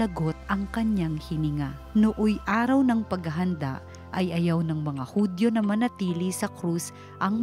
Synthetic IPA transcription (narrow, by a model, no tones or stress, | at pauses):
ɐɡo̞t̪̚ɐŋkɐɲɲaŋhɪnɪŋanoʔojʔaːɾɐwnɐŋpɐɡɐɦɐnd̪a̰ʔ | ʔɐjʔɐjawnɐŋmɐŋahud̪jo̞nɐmɐnɐt̪iːlisɐkɾus | ʔɐŋ